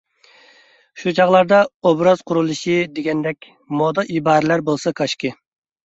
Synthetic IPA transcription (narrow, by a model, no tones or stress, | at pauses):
ʃut͡ʃʰɑʁlˠɑɾd̪ɑobɾɑzqʰʊɾulˠɨʃid̪eɡʲɛnd̪ɛkʲ | mod̪ɑʔibɑːɾɪlæɾbolˠsɑkʰɑʃkʲɪ